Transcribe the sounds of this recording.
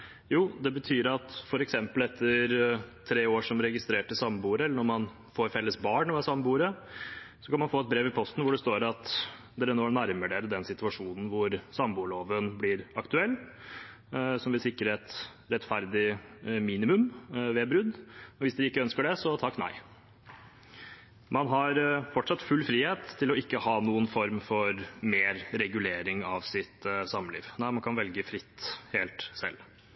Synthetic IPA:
juːd̪ɛbət̪ʰyːɾɑt̪fɔɾɛksɛmpəlɛt̪ʰːəɾt̪ʰɾeːoːʂɔmɾɛɡɪst̪ɾeːʈəsɑmːəbuːɾəɛlːəɳɔɾmɑn | foːɾfɛlːəsbɑːɳʋɛsɑmːəbuːɾə | sɔkɑnmɑnfoːɛt̪̚bɾeːʋɪpʰɔst̪n̩ʋʊɖɛst̪oːɾɑt̪ | d̪ɛɾɛnoːnæɾməɖeɾəd̪ɛnsɪt̪ʉɑʂuːnn̩ʋʊɾsɑmbuːɭoːʋənblɪɾɑkt̪ʉɛlː | sɔmʋɪlsɪkːɾəɛt̪ | ɾɛt̪ːfæɾd̪ɪmiːnɪmʉmʋeːbɾʉd̪ɔʋɪsd̪ɛɪkːəœnskəɖɛsɔt̪ʰɑkːnæ̰ɪ | mɑnɦɑɾfɔʈʂɑt̪fʉlːfɾiːheːt̪ʰːɪlɔɪkːəhɑːnuːənfɔɾmfɔɾmeːɾɾɛɡʉleːɾɪŋɑʋsɪt̪sɑməlḭːʋnæɪmɑnkʰɑnʋɛlɡəfɾɪt̪ːheːlt̪sɛ̰lː

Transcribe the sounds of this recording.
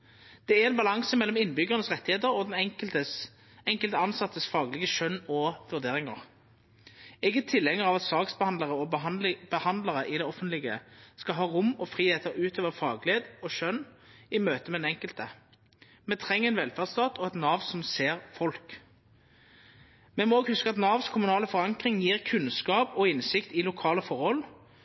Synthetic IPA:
d̪̥ɛæɛnbɑlɑŋsəmɛlːɔmɪnːbʏɡəʁənəsʁɛt̪ːɪheːt̪əʁɔd̪ɛnə | ɛŋkəlt̪əɑnsɑt̪ːəsfɑːɡlɪɡəʃœnːɔʋʉʁd̪eːʁɪŋə̰ʁ | ɛɡətt̪ʰɪlːɛŋːəɾɑʋɑt̪sɑːksbəɑnləʁəɔb̥əhɑnd̪ləʁəʔɪd̪ɛɔfənt̪lɪɡə̰skɑɦɑːʁʊmɔfʁiːheːt̪əʁʉːt̪ʰøːʋəfɑːɡleːd̪ɔʃœn | ɪmøːt̪əmɛnɛŋkəlt̪ə | mɛt̪ʰʁɛŋːɛɪnʋɛlfæʁd̪st̪ɑːt̪ʰɔɛt̪nɑːʋsɔmseːʁfɔlk | mɛmɔoːɡhʉskəɑt̪nɑːʋskʰʊmʉnɑːləfɔʁɑŋkʁɪŋjiːʁkʰʉnskɑːpɔɪnsɪkt̪ɪlʊkʰɑːləfɔʁhɔl

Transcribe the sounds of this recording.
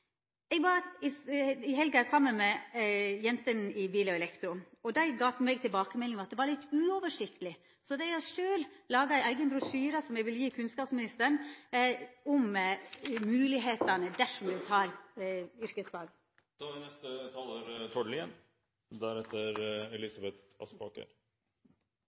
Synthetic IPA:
ɛːɡʋɑɾɪɪɦɛlɡɑæsɑmːənmɛjɛnt̪ənɪbiːləɔɛlɛkt̪ɾʊɔd̪æɪɡɑːt̪mɛɡ̚t̪ʰɪlbɑːkəmɛlɪŋmɑt̪̚d̪ɛːʋɑɾɭɪt̪ːʉːɔːʋəʂɪkt̪əlɪ | sɔd̪æɪæʂøːllɑːɡɑæɪʔæɪɡənbɾʊsyːɾɑsɔmɛɡʋɪljiːkʰʉnskɑːpsmɪnɪst̪əɳ | ɔm | mʉːlɪɦeːt̪ɑnəd̪æʂɔmd̪ɛt̪ʰɑːɾ | ʏɾkəsfɑːɡ̪ | dʋɪnɛst̪ət̪ʰɑloɾt̪ʰɔɖlɪə̰n | d̪æɾɛt̪ːəɾɛlɪsɑbɛt̪ɑ̰spɑ̰ːkə̰ɾ

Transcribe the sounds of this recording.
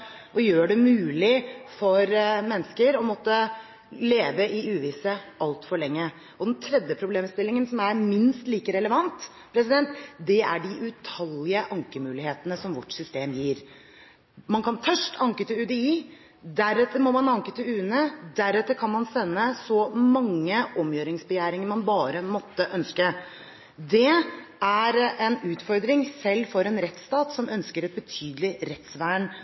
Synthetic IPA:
ʔɔjøːɖɛmʉːlɪfɔɾmɛnːəskəɾɔmɔt̪ːə | leːʋəɪʉːʋiːsəʔɑlt̪fɔɭɛŋːə | ɔd̪ɛnt̪ʰɾɛd̪jəpʰɾʊbleːmst̪ɪlːɪŋənsɔmæɾmɪnst̪liːkəɾɛləʋɑnt̪ | pʰɾɛsɪd̪ɛnt̪d̪ɛæ̰ɖɪʔʉt̪ʰɑlɪəʔɑŋkəmʉːlɪheːt̪ənəsɔmʋɔʈsʏst̪eːmjiːɾ | mɑnkʰɑnt̪ʰœʂʈʰɑŋkət̪ɪʉd̪ɛiː | d̪æɾɛt̪ːəɾmɔmɑnɑŋkət̪ʰɪʉːənəd̪æɾɛt̪ːəɾkʰɑnmɑnsɛnːəsɔmɑŋːəɔmjøːɾɪŋsbəjæːɾɪŋəɾmɑnbɑːɾəmɔt̪ːəʔœnskə | d̪ɛæɾɛnʉːt̪fɔɾd̪ɾɪŋsɛlːfɔɾɛnɾɛt̪st̪ɑːt̪sɔmʔœnskəɾɛt̪̚bət̪ʰyːd̪əlɪɾɛt̪sʋæːɳ

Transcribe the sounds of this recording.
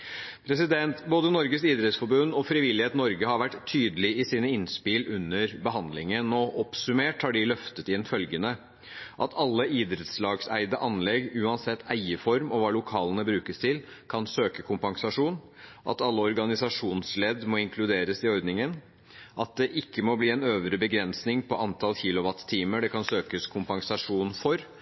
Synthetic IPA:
pʰɾɛsɪd̪ɛnt̪boːd̪ənɔɾɡəsiːd̪ɾɛt̪sfɔɾbʉnːɔfɾɪʋɪlːɪheːt̪nɔɾɡəhɑɾʋæʈt̪ʰːyːd̪əlɪɪsiːnəɪnspɪlʔʉnːəɾbəɦɑnd̪lɪŋənɔʔɔpsʉmeːʈhɑɖɪlœft̪ət̪ɪnːfœlɡənə | ʔɑt̪ʰɑlːəiːd̪ɾɛt̪slɑːɡsæ̰ɪd̪əʔɑnlɛɡʉːɑnsɛt̪ʰːæɪəfɔɾmɔʋɑːlʊkʰɑːlənəbɾʉːkəst̪ʰɪl | kʰɑnsøːkəkʰʊmpɑŋsɑʂuːn | ʔɑ̰t̪ɑlːəɔɾɡɑnɪsɑʂuːnslɛd̪mɔɪŋkʰlʉd̪eːɾəsɪɔɾd̪nɪŋən | ʔɑt̪̚d̪ɛʔɪkːəmɔbliːɛnøːʋɾəbəɡɾɛnsnɪŋpʰɔʔɑnt̪ʰɑlçiːlʊʋɑt̪t̪ʰːiːməɖɛkʰɑnsøːkəskʰʊmpɑŋsɑʂuːnfɔɾ

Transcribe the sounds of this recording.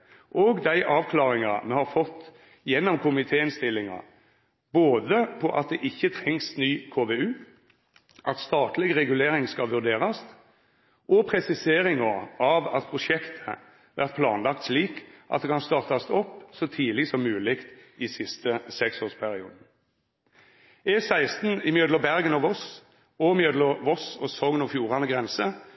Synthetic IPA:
ʔɔɡd̪æɪʔɑːʋkʰlɑːʁɪŋɑmɛhɑɾfɔt̪ː | jɛnːɔmkʰʊmɪt̪ʰeːɪnst̪ɪlːɪŋɑ̰ | boːd̪əpʰɔʔɑ̰t̪̚d̪ɛʔɪçːət̪ʰɾɛŋsnyːkʰoːʋeʉː | ʔɑt̪st̪ɑːt̪lɪɡʁɛɡʉleːɾɪŋskɑlʋʉʁd̪eːʁɑst̪ | ʔɔpʰɾɛsɪseːɾɪŋɑʁɑʋɑ̰t̪̚pʰʁʊʃɛkt̪ʰə̥ | ʋæʁt̪̚pʰlɑ̰ːnlɑk̚t̪sliːkʔɑ̰t̪̚d̪ɛkʰɑnst̪ɑːʁt̪ɑst̪ɔpːsɔt̪ʰiːlɪsɔmːʉːlɪkt̪ɪsɪst̪əsɛksoːʁspʰæʁɪṵːd̪n̩ | ɛsæɪst̪n̩ɪmjøːd̪lɔbæʁɡənɔʋɔs | ɔmjød̪lɔʋɔsɔsɔŋənɔfjuːʁɑnəɡʁɛnsə

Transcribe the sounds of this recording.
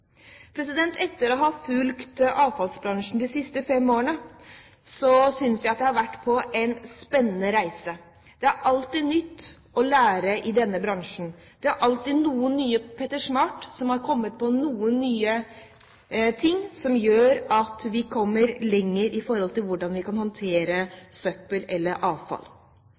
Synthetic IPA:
pʰɾɛs̬ɪd̪ɛnt̪ʰɛt̪ːəɾɔɦɑfʉlkt̪ʔɑːʋfɑlsbɾɑŋʂn̩d̪ɪsɪst̪əfɛmːoːəɳə | sɔsʏnsjæɪɑt̪̚d̪ɛhɑɾʋæʈːpʰɔʔɛɪnspɛnːənəɾæɪsə | d̪̥ɛæɾʔɑlt̪iːd̪nʏt̪ː | ɔlæːɾəʔɪd̪ɛnːəbɾɑŋʂn̩ | d̪̥ɛæɾʔɑlt̪iːd̪nuːənːyːəpʰɛt̪ːəʂmɑːʈsɔmhɑɾkʰɔmːət̪̚pʰɔnuːənːyːə | t̪ʰɪŋːsɔmjøːɾɑt̪ʋɪkʰɔmːəɾlɛŋːəɾɪfɔɾhɔlt̪ɪlʋʊɖɑnʋɪkɑnhɔnt̪ʰeːɾəsœpːəlɛlːəɾʔɑːʋfɑ̰l

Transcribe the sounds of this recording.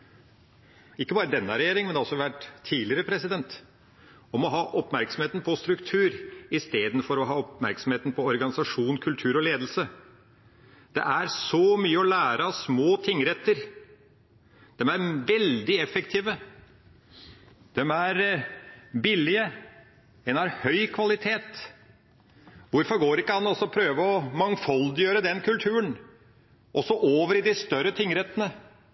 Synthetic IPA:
ɪkːəbɑːɾəd̪ɛnːɑɾɛjeːɾɪŋmɛnɑlsɔʋæʈt̪ʰːiːlɪəɾəpʰɾɛsɪd̪ɛnt̪ | ɔmɔɦɑːʔɔpmæɾksɔm̩heːt̪n̩pʰɔst̪ɾʉkt̪ʰʉːɾɪst̪eːd̪n̩fɔɾɔɦɑːɔpmæɾksɔm̩heːt̪n̩pʰɔɔɾɡɑnɪsɑʂuːnkʰʉlt̪ʰʉːɾɔleːd̪l̩sə | d̪̥ɛ̰ʔæɾsɔmyːəɔlæːɾəsmoːt̪ʰɪŋːɾɛt̪ːəɾ | d̪̥ɛmæɾʋɛld̪ɪɛfɛkt̪ʰiːʋə | d̪̥ɛmæɾ | bɪlɪə | ɛnhɑɾhœʏkʰʋɑlɪt̪ʰeːt̪ | ʋʊɾfɔɾɡoːɾɪkːəhɑnɔsɔpʰɾøːʋəɔmɑŋfɔld̪ɪjøːɾəd̪ɛnkʰʉlt̪ʰʉːən | ʔɔsɔʔoːʋəɾɪd̪ɪst̪œɾət̪ʰɪŋɾɛt̪ːənə

